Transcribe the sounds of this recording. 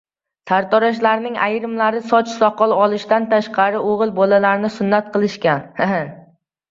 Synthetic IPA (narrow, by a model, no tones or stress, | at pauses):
t̪ʰaɾt̪ʰɒɾaʃ̬laɾnɪŋʔa̰jɾɪmlaɾɪsɒt͡ʃsɒqʰɒlˠɒlˠɪʃt̪ant̪ʰaʃqʰɑɾɪoʁɨlˠbɒlalaɾnɪsʊnːat̪̚qʰɨlˠɪʃkʲan